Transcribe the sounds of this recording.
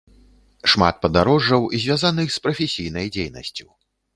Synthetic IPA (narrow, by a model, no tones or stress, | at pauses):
ʂma̰t̪̚pɐd̪aɾɔʐːɐwizʲvʲazanɨxspɾɐfʲesʲijnɐjd͡zʲejnɐ̰sʲt͡sʲu